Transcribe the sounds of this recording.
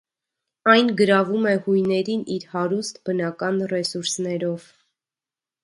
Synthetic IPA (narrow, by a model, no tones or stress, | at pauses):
ɑjnɡəɾɑvumɛhujnɛɾiniɾhɑɾust̪bənɑkɑnrɛsuɾsnɛɾɔv̥